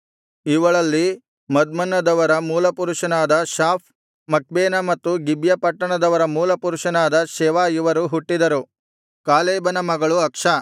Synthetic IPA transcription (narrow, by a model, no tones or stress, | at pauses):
iʋɐɭɐlːi | mɐd̪̚mɐnːɐd̪ɐʋɐɾɐmuːlɐpuɾuʂɐnaːd̪ɐʃaːp̚ʰ | mɐk̚beːnɐmɐt̪ːuɡibjɐpɐʈːɐɳɐd̪ɐʋɐɾɐmuːlɐpuɾuʂɐnaːd̪ɐʃɛːʋaːjiʋɐɾuɦuʈːid̪ɐɾu | kaːlɛːbɐnɐmɐɡɐɭuɐkʂɐ